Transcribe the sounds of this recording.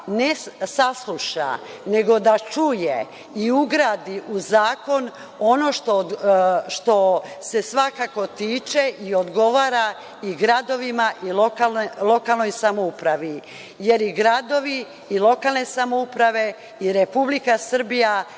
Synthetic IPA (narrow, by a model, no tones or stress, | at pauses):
nesaslˠuʃa̰ | ne̞ɡo̞d̪at͡ʃuje | iuɡɾaːd̪iʔuzaːko̞n | o̞no̞ʃt̪o | ʃt̪o̞se̞sʋakako̞t̪iːt͡ʃe̞ʔiod̪ɡo̞ʋaːɾa | iɡɾad̪o̞ʋimaʔilokallˠo̞kalˠno̞jsamoupɾaʋi | je̞ɾiɡɾad̪o̞ʋi | ilˠo̞kaːlˠne̞samoupɾaʋe̞ | iɾepublikasr̩bija